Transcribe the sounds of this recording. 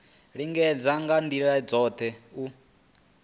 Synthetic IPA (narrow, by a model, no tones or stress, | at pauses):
ɺiŋɡɛd͡zaŋɡand̪iɺad͡zɔt̪ʰɛu